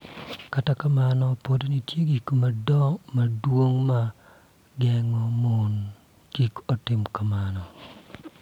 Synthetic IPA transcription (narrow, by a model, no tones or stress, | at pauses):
katakamanɔpodonitjeɡikmadɔmadwoŋma | ɡɛŋɔmon | ɡ̥ikɔtɪmkamanɔ